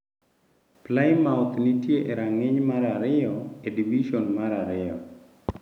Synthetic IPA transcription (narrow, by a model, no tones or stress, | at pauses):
plaɪmawt̪nitjeʔeɾaŋɪɲmaɾaɾɪɔediviʃɔnmaɾaɾɪjɔ